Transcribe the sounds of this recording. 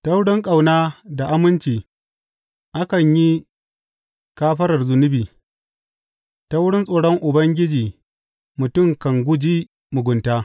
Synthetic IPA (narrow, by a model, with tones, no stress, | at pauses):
ta˦wɽɪ˦ŋkʼa˨wnaː˦da˨ʔa˦mɪ˦nt͡ʃiː˨ | ʔa˦kɐ˨ɲji˦ | kaː˦ɸɐ˦ɾɐ˨rzʊ˨nʊ˦biː˨ | ta˦wʊ˦ɽɪ˦nsʼoː˨ɽɔ˦ŋʔʊ˨bɐ˦ŋɡʲɪ˦d͡ʒiː˨ | mʊ˨tʊ˦˨ŋkɐ˨ŋɡʷʊ˦d͡ʒiː˦ | mʊ˨ɡʷʊ˨ntaː˦